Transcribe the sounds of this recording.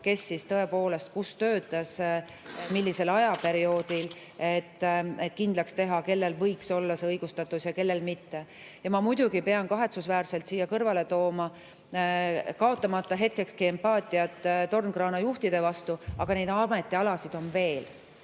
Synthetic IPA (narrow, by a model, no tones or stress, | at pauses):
ke̞sːist̪ɤe̞poːle̞st̪̚kust̪ø̞ːt̪ːˑɑs | milʲːise̞lɑjɑpe̞ɾio̞ːd̪̥il | et̪ːˑe̞t̪ːˑkind̪lɑkst̪e̞ɦɑke̞lːe̞lvɤ̞jkso̞lːɑseɤjɡ̥ust̪ɑt̪ːˑusjɑke̞lːe̞lmit̪ːe̞ | jɑmɑmujd̪̥uɡipe̞ɑnkɑɦe̞t̪susvæːrse̞lt̪siːjːɑkɤrvɑle̞t̪o̞ːmɑ | kɑo̞t̪ːˑɑmɑt̪ˑːɑɦe̞t̪̚ke̞kskie̞mpɑːt̪ˑiɑt̪ːˑt̪ːo̞rnkrɑːnɑjuht̪id̪̥e̞vɑst̪uɑɡ̥ɑne̞jd̪ɑme̞t̪ːˑiɑlɑsid̪o̞nve̞ːl